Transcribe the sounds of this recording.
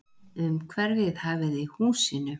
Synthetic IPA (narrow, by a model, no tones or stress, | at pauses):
ʏmkʰvɛɾvɪðhaːvɪðihuːsiːnʏ